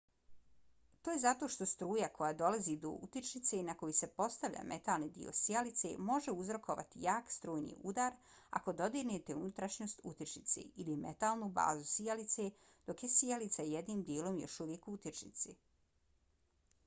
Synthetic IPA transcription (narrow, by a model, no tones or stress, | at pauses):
t̪oːjezat̪o̞ːʃt̪o̞st̪ɾuːjako̞jad̪o̞lazid̪o̞̰ṵt̪it͡ʃnit̪se̞inako̞jise̞po̞st̪aʋʎa̰mʔet̪alnid̪ḭo̞̰sijalit̪se̞̰mo̞ʒeuzɾo̞kʰoʋa̰t̪ijaːkst̪ɾuːjnḭːud̪aɾ | a̰ko̞d̪o̞d̪inet̪eunut̪ɾaʃɲo̞ːst̪ut̪it͡ʃnit̪sḛilimet̪aːlˠnuba̰ːzusijalit̪se | d̪̥o̞kje̞sijalit̪sajed̪niːmd̪jeːlˠo̞mjo̞̰ʃuʋjekuut̪it͡ʃnḭt̪si